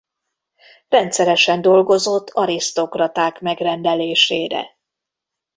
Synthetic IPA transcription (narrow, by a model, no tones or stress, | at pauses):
rɛnt̪sɛɾɛʃɛnd̪o̞lɡo̞zo̞t̪ːɒɾist̪o̞krɒt̪aːkmɛɡrɛnd̪ɛleːʃeːɾɛ̰